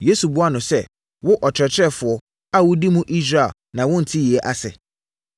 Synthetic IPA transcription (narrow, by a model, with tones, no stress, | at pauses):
je˦su˨bʊ˦a˦nʊ̃˨sɛ˦ | wʊ˦ʔɔ˨t͡ɕʰᶣɾɛ˨t͡ɕʰɪ˦ɾɛ˦fʊ˨ɔ˨ | a˦wʊ˦di˦mũ˦ʔi˦s̬ɾa˨ | nã˨wʊ̃˦n̩˨tʰi˦ji˨ɛ˦ʔa˦sɛ̰˨